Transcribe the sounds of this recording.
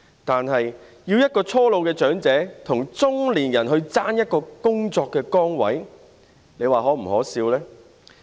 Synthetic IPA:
t̪aː˨nɦɐ˨j | jiː˧wjɐ˥t̚kɔː˧t͡sʰɔː˥lo˨˧wkɛː˧t͡ʃœː˨˥ŋt͡sɛː˨˥t̪ʰʊ˨˩ŋt͡sʊ˥ŋliː˨˩njɐ˨˩nɦɵ˧ɥt͡saː˥njɐ˥t̚kɔː˧kʊ˥ŋt͡sɔː˧kːɛː˧kɔː˥ŋwɐ˨˥j | le˨˧jwaː˨ɦɔː˨˥m̩˨˩hɔ̰ː˨˥siː˧wlɛː˥

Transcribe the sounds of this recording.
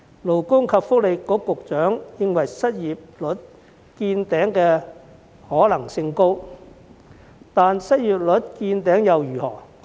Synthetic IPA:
lo˨˩wkʊ˥ŋkʰɐ˨˧p̚fʊ˥k̚le˨˧jkɔː˨˥kʊ˨k̚t͡ʃœː˨˥ŋjɪ˧ŋwɐ˨˩jsɐ˥t̚jiː˨p̚lɵ˨˥t̚ | kiː˧nt̪ɛː˨˥ŋkɛː˧ | hɔː˨˥lɐ˨˩ŋsɪ˧ŋko˥w | t̪aː˨nsɐ˥t̚jiː˨p̚lɵ˨˥t̚kiː˧nt̪ɛː˨˥ŋjɐ˨wjyː˨˩hɔ̰ː˨˩

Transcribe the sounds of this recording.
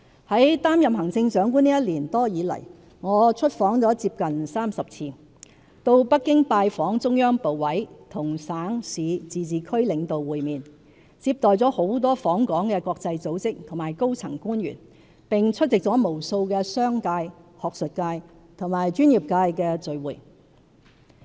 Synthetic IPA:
hɐ˨˥jt̪aː˥mjɐ˨mhɐ˨˩ŋt͡sɪ˧ŋsœː˨˥ŋkuː˥niː˥jɐ˥t̚liː˨˩nt̪ɔː˥jiː˨˧lɐ̰˨˩j | ŋɔː˨˧t͡sʰɵ˥t̚fɔː˨˥ŋt͡sɔː˨˥t͡siː˧p̚kɐ˨nsaː˥msɐ˨p̚t͡sʰiː˧ | t̪o˧wpɐ˥kːɪ˥ŋpaː˧jfɔː˨˥ŋt͡sʊ˥ŋjœː˥ŋpo˨wwɐ˨˥jt̪ʰʊ˨˩ŋsaː˨˥ŋsiː˨˧t͡siː˨t͡siː˨kʰɵ˥ɥlɪ˨˧ŋt̪o˨wwuː˨˧jmiː˨n | t͡siː˧p̚t̪ɔː˨jt͡sɔː˨˥ho˨˥wt̪ɔː˥fɔː˨˥ŋkɔː˨˥ŋkɛː˧kɔː˧k̚t͡sɐ˧jt͡so˨˥wt͡sɪ˥k̚t̪ʰʊ˨˩ŋmaː˨˩jko˥wt͡sʰɐ˨˩ŋkuː˥njy̰˨˩n | pɪ˨˩ŋt͡ʃʰɵ˥t̚t͡sɪ˨k̚t͡sɔː˨˥mo˨˩wso˧wkɛː˧sœː˥ŋkaː˧jhɔː˨k̚sɵ˨t̚kaː˧j | t̪ʰʊ˨˩ŋmaː˨˩jt͡ʃyː˥njiː˨˩p̚kaː˧jkɛː˧t͡sɵ˨˧ɥwuː˨˩j

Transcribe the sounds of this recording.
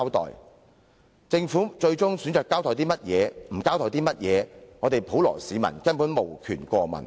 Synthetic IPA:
wt̪ɔ̰ː˨j | t͡sɪ˧ŋfuː˨˥t͡ʃɵ˧ɥt͡sʊ˥ŋsyː˨˥nt͡ʃœː˨kːaː˥wt̪ɔː˨˩jt̪iː˥mɐ˥t̚jɛː˨˧m̩˨˩kaː˥wt̪ʰɔː˨˩jt̪iː˥mɐ˥t̚jɛː˨˧ŋɔː˨˧t̪e˨jpʰo˨˥wlɔ̰ː˨˩siː˨˧mɐ̰˨˩nkɐ˥npuː˨˥nmo˨˩wkʰyː˨˩nkʷɔː˧mɐ̰˨˩n

